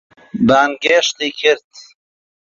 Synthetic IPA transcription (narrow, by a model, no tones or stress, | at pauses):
baːnɡeːʃt̪ikʰɪɾt̪